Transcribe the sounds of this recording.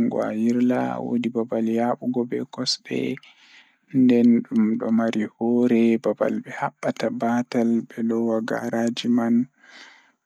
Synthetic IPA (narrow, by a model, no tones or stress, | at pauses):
ŋɡɔ̰a̰jiɾla̰wo̰dibabaljaɓuɡɔbɛkɔsbɛ̰ | ndɛnɗumɗɔmaɾihɔɾɛbaba̰lbɛhaɓːatabaːtalbɛlɔwaɡa̰ɾad͡ʒiman